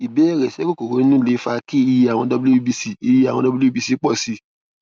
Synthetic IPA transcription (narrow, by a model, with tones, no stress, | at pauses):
i˨bɛ˨˦˨ɾɛ˨sɛ˨˦ko˦˨ko˨ɾo˨˦i˦nũ˦˨le˨˦fa˧ki˦i˧ji˧a˨w̃ɔ̃˧dɔ˧bi˦lo˦i˦bi˧si˧i˧ji˧ã˨ɔ̃˧dɔ˧bi˦lbi˧si˦k͡pɔ˦˨si˧˦